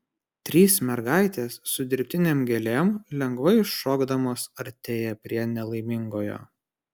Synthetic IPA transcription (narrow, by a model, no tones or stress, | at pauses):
t̪ʲɾʲiːsmʲɛɾɡɑˑɪt̪ʲeːsːʊd̪ʲɪɾʲpʲt̪ʲɪnʲeːmɡʲɛlʲeːmlʲɛŋɡʋɐɪɪʃːoːɡd̪ɐmoːsɐɾʲt̪ʲeːjɛpʲɾʲiɛnʲɛlˠɐɪmʲɪŋɡoːjo̰ː